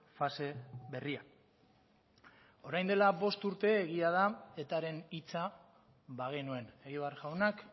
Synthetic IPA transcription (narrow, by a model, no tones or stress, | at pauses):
fase̞βe̞ria | o̞ɾajnd̪e̞laβo̞st̪uɾt̪e̞ːɣ̞iað̞ae̞t̪aɾe̞nit͡sa | βaɣ̞enue̞ne̞ɣiβarʝawnak